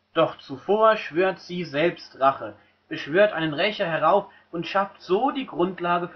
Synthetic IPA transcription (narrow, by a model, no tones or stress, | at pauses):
d̥ɔχt͡sufoːɐʃv̥øːɐtz̥iːzɛlpstʁaχə | b̥əʃv̥øːɐtʔaɪnənʁɛçɐhɛʁaʊf | ʔʊntʃaftz̥oːdiːɡʁʊntlaːɡəf